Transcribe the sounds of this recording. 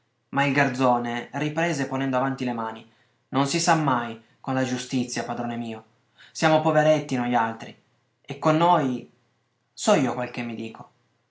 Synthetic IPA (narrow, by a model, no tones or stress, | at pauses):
mailɡard̪zoːneripɾɛːzepːonɛnd̪oavant̪ilemaːni | nonsisamːaj | konlad͡ʒust̪it̪sːjapad̪ɾoːnemiːo | sjaːmopoveɾet̪ːinoʎalt̪ɾi | ekːonːoːj | sɔiːokwelk̟emːid̪iːko